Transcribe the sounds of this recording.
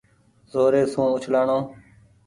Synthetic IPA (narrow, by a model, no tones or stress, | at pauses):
zoːɾeːsũːʊt͡ʃʰlaːɳõː